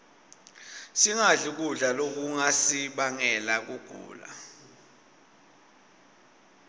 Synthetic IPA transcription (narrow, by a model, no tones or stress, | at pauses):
siŋaɮik̬ʼuɮalok̬ʼuŋasiɓaŋɛlak̬uɡ̥ʱṵːla̰